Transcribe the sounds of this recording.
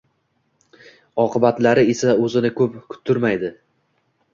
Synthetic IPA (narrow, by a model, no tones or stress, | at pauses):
ɒqʰɨbat̪laɾɪe̞saɵzɪnɪkʰɵpkʰʊ̥t̪ʰːʊɾmajd̪ɪ